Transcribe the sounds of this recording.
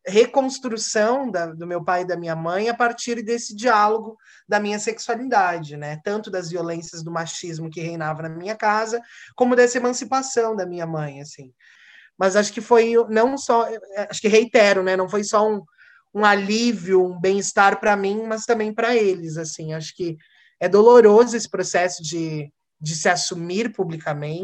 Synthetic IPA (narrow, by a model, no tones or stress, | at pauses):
hekõst̪ɾusɐ̃w̃d̪ɐd̪ʊmewpajd̪ɐmĩɲɐmɐ̃j̃apaɾt͡ʃiɾd̪esɪd͡ʒialoɡʊ | d̪ɐmĩɲɐseksualid̪ad͡ʒɪnɛt̪ɐ̃nt̪ʊd̪ɐzviolẽsjɐzd̪ʊmaʃizmʊkɪɦejnavɐnɐmĩɲɐkazɐkõmʊd̪ɛsɐemɐ̃sipasɐ̃w̃d̪ɐmĩɲɐmɐ̃j̃asĩ | mɐzaʃʊ̥kɪfojnɐ̃w̃sɔaʃʊ̥kɪɦejt̪ɛɾʊnɛnɐ̃w̃fojsɔũ | ũaliviʊũbẽj̃ɪst̪aɾpɾɐmĩmɐst̪ɐ̃mbẽj̃pɾɐelɪz̬asĩaʃʊ̥kɪ | ɛd̪oloɾozʊesɪ̥pɾosɛsʊd͡ʒɪ | d͡ʒɪsɪasumiɾpublikamẽt͡ʃɪ